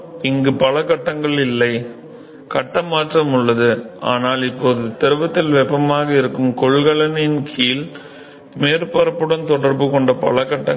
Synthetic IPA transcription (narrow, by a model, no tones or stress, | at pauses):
ɪŋɡɯpɐlɐkɐʈːɐŋɡɐɭɪlːɐɪ | kɐʈːɐmaːʈrɐmʊɭːɐðɯa̰ːnaːlɪpːoːðɯt̪ɛɾɯʋɐt̪ːɪlʋɛpːɐmaːɣɐɪɾɯkːɯmkɔɭɣɐɭɐnɪnkʰiːl | meːɾpɐɾɐpːɯɽɐnt̪ɔɽɐɾbɯkɔɳɖɐpɐ̰lɐkɐʈːɐ